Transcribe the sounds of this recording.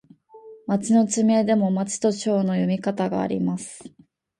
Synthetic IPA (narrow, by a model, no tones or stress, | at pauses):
mat͡ɕino̞t͡ɕɨme̞ːd̪e̞mo̞mat͡ɕi̥t̪o̞t͡ɕo̞ːno̞jo̞mʲikat̪aɡa̰ːɾʲḭmasɨ̥